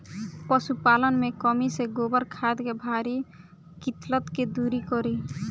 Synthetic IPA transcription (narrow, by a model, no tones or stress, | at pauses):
pɔsupalənmekɔmiseɡobəɾkʰad̪kebʱaɾi | kit̪lət̪ked̪uɾikɔɾi